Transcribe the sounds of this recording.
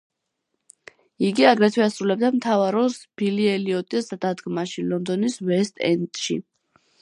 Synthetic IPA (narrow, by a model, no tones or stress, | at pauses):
iɡiaɡɾɛt̪ʰwɛasɾulɛb̚d̪amt̪ʰavaɾɔsb̥iliɛliɔt̪ʼisd̪d̪ad̪ɡmaʃilɔnd̪ɔnisvɛst̪ʼɛ̰nt̪ʼʃḭ